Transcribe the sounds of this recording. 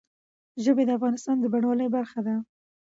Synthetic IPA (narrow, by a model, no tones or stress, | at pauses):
ʒəbed̪əafɣɑnɪst̪ɑnd̪əbaɳwɑləjbaɾxad̪a